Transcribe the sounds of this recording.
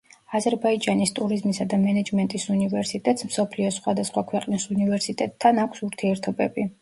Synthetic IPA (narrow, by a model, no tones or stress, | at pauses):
azɛɾbaid͡ʒanist̪ʼuɾizmisad̪amɛnɛd͡ʒmɛnt̪ʼisunivɛɾsit̪ʼɛt̪ʼsmsɔpʰliɔsχwad̪asχwakʰwɛqʼnisunivɛɾsit̪ʼɛt̪ʰːanakʷʰsuɾt̪ʰiɛɾt̪ʰɔbɛbi